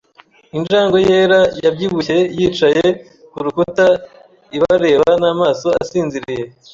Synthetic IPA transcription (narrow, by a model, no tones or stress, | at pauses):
ind͡ʒaːŋɡo̞je̞ːɾajabɟiβuçe̞jiːt͡ʃaje̞ | kuɾukuta | iβaɾe̞ːβanaːmaːso̞a̰siːnziɾije̞